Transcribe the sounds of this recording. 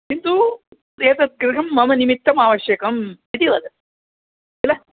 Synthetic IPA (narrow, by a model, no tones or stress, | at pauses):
kint̪u | eːt̪ɐt̪̚kɾit̪ʰɐmːɐmɐnimit̪ːɐmaːʋɐɕjɐkɐm | it̪iʋad̪ɐ | t̪ila